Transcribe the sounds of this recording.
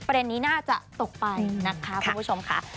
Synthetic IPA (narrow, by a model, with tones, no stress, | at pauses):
pɾa˧de˧nːiː˦˥naː˥˩t͡ɕa˨˩ʔt̪o˨˩k̚pa˧na˦˥kʰa˦˥ku˧˩mpʰu˦˥t͡ɕʰo˧mkʰa̰˦˥